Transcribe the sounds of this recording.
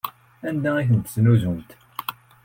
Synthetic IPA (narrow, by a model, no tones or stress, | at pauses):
ænd̪ææçənt̪ə̥snuzumt̪